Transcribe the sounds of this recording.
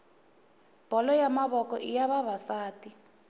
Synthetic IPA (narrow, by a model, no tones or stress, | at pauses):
b̥ʱɔlɔjamaβɔkɔʔijaβaβasaːti